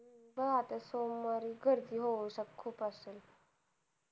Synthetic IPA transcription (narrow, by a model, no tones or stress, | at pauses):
bəat̪asomːaɾiɡʱəɾd̪iːɦoʋəsəkkʰːuːpasel